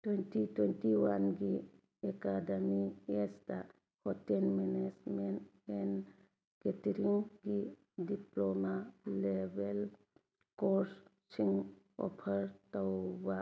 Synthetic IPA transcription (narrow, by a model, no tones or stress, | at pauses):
t̪wentitwentiwanɡi | ekademiesd̪a | hɔtenmenesmen | ɛn | ɡet̪iɾiŋɡi | diplomalebel | kos | siŋ | ɔ̰pʰəɾtawba